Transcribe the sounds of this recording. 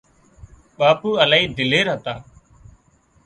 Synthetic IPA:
ɓaːpuːəlaːiːd̪ɪleːɾaːt̪aː

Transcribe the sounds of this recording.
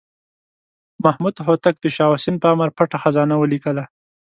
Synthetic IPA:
mahmud̪ɦot̪ak̚d̪əʃɑwasinpəaməɾpaʈaxazɑnawəlikəla

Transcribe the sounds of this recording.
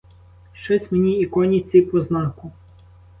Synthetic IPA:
ʃt͡ʃɔsʲmenʲiːkɔnʲit̪sʲikɔznɑkʊ

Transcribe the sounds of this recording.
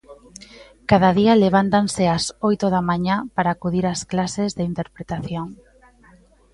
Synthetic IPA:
kaðaðialeβ̞ant̪anseasojt̪oðamaɲapaɾaːkuðiɾasklasezðeint̪eɾpɾet̪aθjoŋ

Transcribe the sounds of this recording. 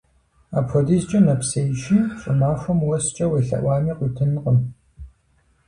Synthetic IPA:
aːpxʷɔdiːst͡ʃʼɐnɐpsejʃiːɕʼɪ̰maːxʷɐmwɔst͡ʃʼɐweːɬɐ̰ʔʷɑːmiːqʷiːtʰɨnqʼəm

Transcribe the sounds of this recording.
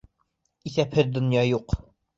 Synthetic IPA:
iθæphɘðd̪ŏnjɑjuq

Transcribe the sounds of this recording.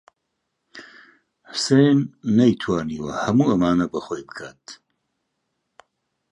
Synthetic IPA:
ħəsejnːɐjt̪ʰwaːniːwɐhɐmuːɐmaːnɐbɐxoːjbɨkʰaːt̪̚

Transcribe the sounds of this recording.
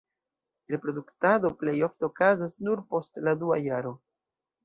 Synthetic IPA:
ɾe̞pɾo̞duktado̞ple̞jo̞fte̞okazasnuɾpo̞stladuajaɾo̞

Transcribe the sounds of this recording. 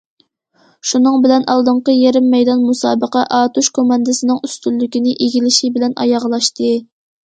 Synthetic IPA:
ʃunɨŋbɪlɛnʔɑlˠd̪ɨɴqəjeɾɪmːɛjd̪ɑnmusɑ̰ːbəqɛʔɑːt̪uʃkʰomɑnd̪ɨsɪnɨŋyst̪ylːykʲinɪʔeɡʲilɪʃibɪlɛnʔɑ̰jɑʁlˠɑʃt̪ɨ

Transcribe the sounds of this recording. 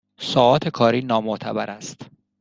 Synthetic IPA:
sɒːɒːt̪ʰekʰɒːɾiːnɒːmoʔt̪ʰæ̰bæɾæst̪

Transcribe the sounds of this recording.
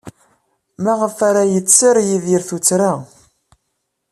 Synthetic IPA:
mæʁəfaɾajət͡sːəɾjiðiɾθut͡sːɾa

